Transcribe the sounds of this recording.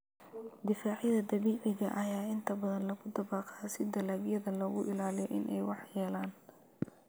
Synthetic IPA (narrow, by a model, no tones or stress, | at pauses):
d̪ɪfaːʕjɐðɐd̪ɐβiːʕɪɣɐ̰ʔɐjaːɪnt̪ʰɐbɐðɐnlɐɣʊd̪ɐβɑːqɑsɪd̪ɐlaːbjɐðɐlɔɣʊʔɪlaːlɪjɔʔɪnʔɛ̰jwɑħjɛːlaːn